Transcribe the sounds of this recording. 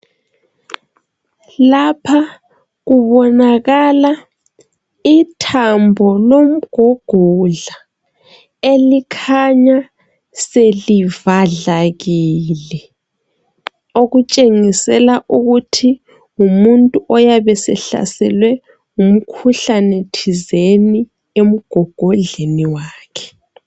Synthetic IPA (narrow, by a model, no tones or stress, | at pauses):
lapʰa | ɣuβɔnaɣala | itʰambʱɔlom̩ɡ̥ʱɔɡ̥ʱɔɮa | elikʰaɲa | selivaɮaɣiːlɛ | oɣut͡ʃʼeŋisɛlaʔuɣutʰi | umuntʼuʔɔjaβɛsɛ̰ɬa̰sɛ̰lwɛ | um̩kʰuɬanetʰizeni | em̩ɡ̥ʱɔɡ̥ʱɔɮeniwaːkʰɛ̥